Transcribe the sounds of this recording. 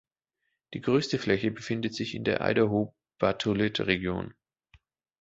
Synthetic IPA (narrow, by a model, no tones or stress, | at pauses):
d̥iːɡʁøːstəflɛçəbəfɪndətz̥ɪçɪndḛːɐʔa̰ɪdɐɦoː | b̥atʰolɪtʁeɡjo̰ːn